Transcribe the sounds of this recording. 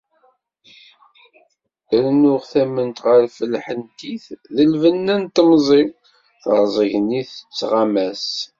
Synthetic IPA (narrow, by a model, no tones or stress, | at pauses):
ɾnʊʁθæmənt̪ʁəɾfəlːħənt̪iθðəlvənːænt̪əmzˤi | θəɾˤzˤəʝəniθə̥t͡sːʁamæs